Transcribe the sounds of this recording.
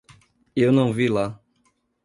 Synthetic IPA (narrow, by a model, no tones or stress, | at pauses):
ewnɐ̃w̃vila